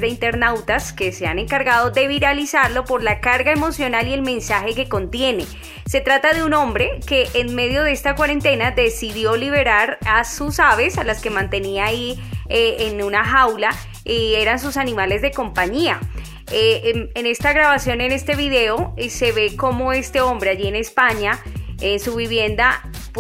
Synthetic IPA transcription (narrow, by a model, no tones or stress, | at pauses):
d̪eint̪e̞ɾnawt̪aske̞se̞ane̞ŋkaɾɣað̞o̞ðe̞βiɾalisaɾlo̞po̞ɾlakaɾɡae̞mo̞sjo̞nalie̞lmẽ̞nsaxe̞ke̞ko̞nt̪je̞ne̞ | se̞t̪ɾat̪aðeunõ̞mbɾe̞ke̞ʔenme̞ðjo̞ðe̞est̪akwaɾe̞nt̪enad̪esiðjo̞liβe̞ɾaɾasusaβe̞salaske̞mãnt̪e̞niai | enunaxawla | ie̞ɾans̬usanimale̞zðe̞ko̞mpaɲia | emene̞st̪aɣɾaβasjo̞ne̞ne̞st̪e̞βiðe̞ose̞βe̞ko̞mo̞e̞st̪e̞o̞mbɾe̞aʝie̞ne̞spaɲaensuβiβje̞nd̪a | p